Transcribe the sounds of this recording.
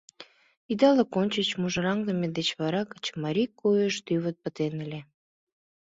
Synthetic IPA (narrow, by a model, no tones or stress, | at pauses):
id̪ɑləkonʲt͡ɕət͡ɕmuʒə̆ɾɑŋd̪əmʲed̪et͡ɕβɑɾɑkə̥t͡ɕə̥mɑɾʲikːujəʃt̪yβət̪̚pə̆t̪enəlʲe